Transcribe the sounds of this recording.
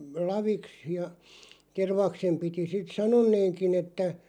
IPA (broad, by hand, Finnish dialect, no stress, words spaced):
lɑʋiks jɑ terʋɑksem piti sit sɑnonːeːŋkin etːæ